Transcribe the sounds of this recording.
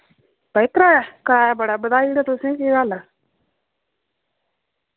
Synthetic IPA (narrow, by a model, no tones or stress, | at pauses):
pəɪkɾaːjakəɾaːjaːbəɽaːbəd̪aːiɽat̪ʊsĩːeɡaːlaː